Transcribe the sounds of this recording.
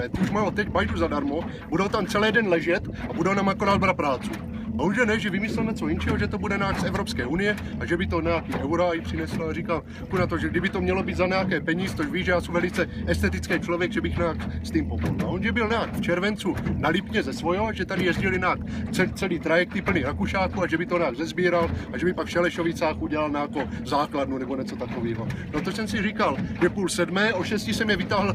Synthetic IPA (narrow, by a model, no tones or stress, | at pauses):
ɛt̪uʃmaːot̪ɛcbajduzadaɾmo | budowt̪amt͡sɛlɛːdɛnlɛʒɛt̪ʔabudɛonamakonalbɾapɾaːt͡su | onʒɛnɛʒɛvɪmɪsɛlɲɛt͡so̞jint͡ʃɛɦoʒɛt̪obudɛnaːksɛvɾo̞pskɛːʔunɪjɛ | aʒɛbɪt̪o̞ɲajakiːʔɛwɾaːjpr̝̥ɪnɛslaarikal | kunat̪o̞ʒɛɡ̚dɪbɪt̪omɲɛlo̞biːd̪zaɲɛjakɛːpɛɲiːzɛ̥t͡soʒviːʒɛjaːsumvɛlit͡sɛʔɛst̪ɛt̪ɪt͡skɛːt͡ʃlovjɛɡʒɛbɪxnaːkst̪iːmpopodla̰ʔonʒɛbɪlnaːkft͡ʃɛɾvɛnt͡sunalɪpɲɛzɛsvojoaʒɛt̪adɪjɛzɟɪlɪnaːkt͡sɛt͡sɛliːt̪ɾajɛk̚t̪ɪpl̩niɾakuʃaːkuaʒɛbɪt̪oɲaːɡzɛzbiːɾalaʒɛbɪpakfʃɛlɛʃovɪt͡saːxʔuɟɛlalnɛjako̞zaːkladnunɛboɲɛt͡sot̪akoviːɦo̞not̪oʃsɛmsɪrikalʒɛpuːlsɛdmɛːʔoʃɛscisɛmjɛvɪt̪aːɦl̩